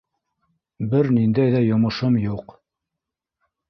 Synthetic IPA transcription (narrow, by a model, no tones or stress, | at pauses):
bɘɾnind̪æjðæjŏmɤ̆ʃɤmjuq